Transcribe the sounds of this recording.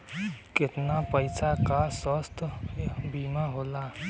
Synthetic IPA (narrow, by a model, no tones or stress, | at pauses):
ket̪napəjsakasəst̪ʰbimaɦola